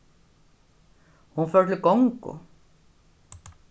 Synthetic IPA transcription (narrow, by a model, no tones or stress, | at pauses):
hunfœɾt̪ʰlɪkoŋkʊ̰